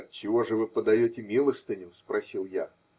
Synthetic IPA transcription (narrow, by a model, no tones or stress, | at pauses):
t͡ɕɪvo̞ʐɨvɨpəd̪ɐjotʲɪmʲilˠəst̪ɪnʲɪʊspɾɐsʲilˠja